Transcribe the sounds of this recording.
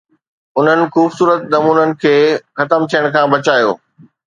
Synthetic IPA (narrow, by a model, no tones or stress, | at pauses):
ʊn̤ənɪ̆xuːbsuːɾət̪nɐmuːnənɪ̆kʰeːxɐt̪əmt̪ʰijəɽ̃kʰãːbɐt͡ɕaːjo̰ː